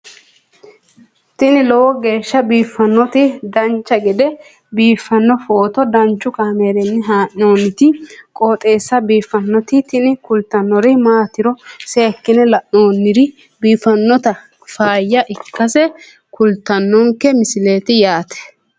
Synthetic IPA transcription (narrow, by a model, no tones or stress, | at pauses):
t̪ɪnɪlɔwɔɡe̞ːʃːɐbiːfːɐnːɔt̪ɪd̪ɐnt͡ʃːɐɡɛd̪ɛ | biːfːɐnːɔfoːt̪ɔd̪ɐnt͡ʃːʊkaːmeːɾɛnːɪɦaːʔːo̞ːnːɪt̪ɪkʼo̞ːt̪ʼe̞ːsːɐbiːfːɐnːɔt̪ɪt̪ɪnɪkʊlt̪ːɐnːɔɾɪmaːt̪ːɪɾɔseːkːɪnɛlɐʔo̞ːnːɪɾɪ | biːfɐnːɔt̪ɐ | faːjːɐʔɪkːɐsɛ | kʊlt̪ːɐnːɔŋkːɛmɪsɪle̞ːt̪ɪjaːt̪ɛ̥